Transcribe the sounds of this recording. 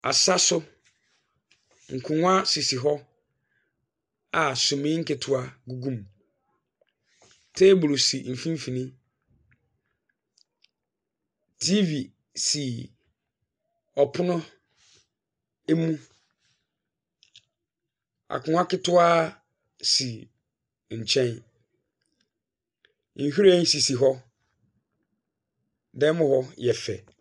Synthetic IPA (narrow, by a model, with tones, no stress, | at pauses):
a˨sa˦sʊ˦ | ŋ̩˨kʰʊ̃˨ŋ˦a˦si˨si˨ɦɔ˦ | a˨sʊ̃˨mɪ̃˦ŋ̩˦kɪ˨tʰʊ˦a˦ɡu˦ɡũ˦m | tʰe˦bʊ˨lsi˨m̩˨fĩ˦m˦fĩ˨nĩ˦ | tʰi˦vi˨ | si˨ | ɔ˨pʰʊ˦nʊ̃˦ | e˦mũ˦ | a̰˨kʰʊ̃˦a˦kɪ˦tʰʊ˦aː˦ | si˨ | ɲ̩˨t͡ɕʰɛ̃˦n | ŋ̩˨hᶣi˦ɾɛ˦n̩˦si˨si˨ɦɔ˦ | dɛ˦mʊ̃˦hɔ˦jɛ˨fɛ̰˨